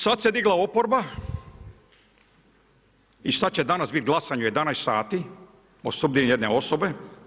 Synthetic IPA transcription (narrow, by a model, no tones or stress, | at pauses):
sat̪sed̪iɡlˠaopoɾba | iʃt̪at̪t͡ɕed̪anasbit̪̚ɡlˠasaɲuje̞d̪anajssaːt̪i | osubd̪injed̪neo̞sobe̞